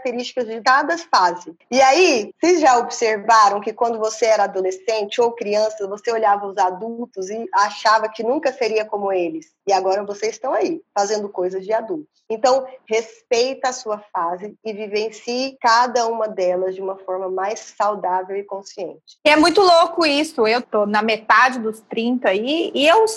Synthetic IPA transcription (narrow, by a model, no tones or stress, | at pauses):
k̚t̪eɾist͡ʃɪ̥kɐzd͡ʒɪkad̪ɐsfazɪɪaisejzʒaobseɾvaɾɐ̃w̃kɪkwɐ̃nd̪ʊvoseɛɾɐad̪olesẽnt͡ʃɪowkɾiɐ̃sɐvoseoʎavɐʊzad̪uwt̪ʊzɪaʃavɐkɪnũŋkɐseɾiɐkõmʊelɪs | ɪaɡɔɾɐvoseɪst̪ɐ̃w̃aifazẽnd̪ʊkojzɐzd͡ʒɪad̪uwt̪ʊ̥sẽnt̪ɐ̃w̃hespejt̪ɐːsuɐfazɪɪvivẽsikad̪ɐũmɐd̪ɛlɐzd͡ʒɪũmɐfɔɾmɐmajsːawd̪avewɪkõsiḛ̃nt͡ʃɪ̥ɪɛmũj̃t̪ʊlokʊisʊewt̪onɐmet̪ad͡ʒɪd̪ʊst̪ɾĩnt̪ɐaiɪew